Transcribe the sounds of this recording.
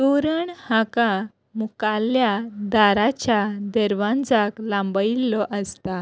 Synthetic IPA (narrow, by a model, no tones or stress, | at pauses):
t̪uɾəɳhãka | mukaljad̪aɾat͡ɕjad̪eɾʋãnd͡zaklãmbəilːɔʔəst̪a